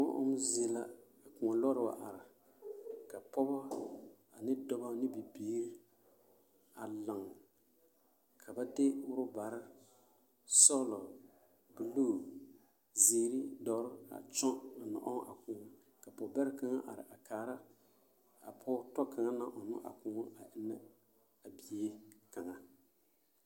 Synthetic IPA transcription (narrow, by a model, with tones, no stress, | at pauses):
ɔ˦ʔʊ̰˦m˦ze˨la˦ | a˨kũ˨a˨lɔ˦ɾɨ˨wa̰˨ʔa˨ɾɪ˨ | ka˨pɔ˦ba˦ | a˨nɪ˦dɔ˨ba˦nɪ˦bi˨biː˦ɾi˦ | a˨la˨ŋ | kʰa˨ba˦de˦ʊ˦ɾʊ˦ba˨ɾa˦ | sɔ˦lɔ˨ | bɨ˨loː˦˨ | ziː˦ɾi˦dɔ˨˦ɾɪ˦a̰˨t͡ʃɔ˦a˨nɔ̰˨ʔɔ˦ʔa̰˨kuː˨˦ | ka˨pɔ˨bɛ˦ɾɪ˦ka˦ŋa˦ʔa̰˨ɾɪ̰˨ʔa˨kaː˨ɾa˦ | a̰˨pʰɔ˦tɔ˦ka˨ŋa˦na˦ʔɔ˨nʊ̰˦ʔa̰˨kʊ˦ŋ˦a˨ʔɪ˦nːa˦ | a˨bi˨e˦ka˨ŋa˨